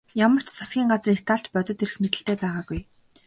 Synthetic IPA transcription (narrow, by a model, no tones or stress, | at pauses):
jamə̆r̥t͡ɕsʰḁsɡʲiːŋɢat͡sret̪aːɬt͡ɕ̪pœt͡s̪ɞ̆t̪erɘ̆xmet̪ɘ̆ɬt̪eːpæːʁaːɡuj